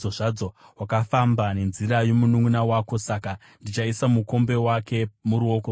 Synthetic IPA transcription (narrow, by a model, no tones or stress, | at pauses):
oʐad͡zowakafambane̞nziɾajo̞munuŋunawaːko̞saka | ndit͡ʃaisamuko̞mbe̞wake̞muɾuo̞ːko